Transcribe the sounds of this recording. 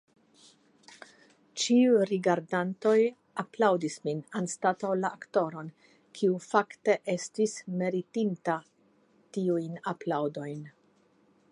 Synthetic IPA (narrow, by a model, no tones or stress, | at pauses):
t͡ʃiujɾiɡaɾdanto̞j | aplawdisminanstatawlaʔakto̞ɾo̞n | kʰiufakte̞ʔe̞stisme̞ɾitinta | tiujnaplawdo̞jn